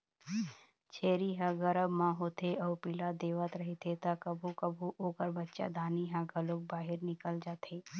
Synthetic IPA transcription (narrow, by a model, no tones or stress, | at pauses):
t͡ʃʰeːɾiɦãɡɐɾəbmãɦoːt̪eɔːɾpilad̪eːʋət̪ɾɐɦet̪ʰet̪akəbʱukɐbʱuʔoːkəɾbɐtːʃa̰d̪ʱaːniɦãɡʱɐloːk̚baːɦɪɾnɪkəld͡ʒaːt̪ʰeː